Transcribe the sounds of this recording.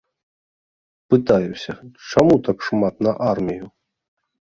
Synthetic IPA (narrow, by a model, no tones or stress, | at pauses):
pɨt̪ajusʲɐt͡ʂamut̪akʂmat̪nɐʔarmʲiju